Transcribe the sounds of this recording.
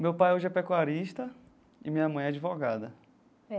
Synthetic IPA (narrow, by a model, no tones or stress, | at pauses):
mewpajoʒɛpɛkuaɾiʃt̪ɐ | ɪmĩɲɐmɐ̃j̃ɛad͡ʒivɔɡad̪ɐ